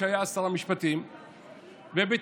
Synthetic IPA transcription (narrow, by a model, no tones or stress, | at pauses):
ajaːst̪alˠamɯʃpʰat̪ʰijm | vɛbit̪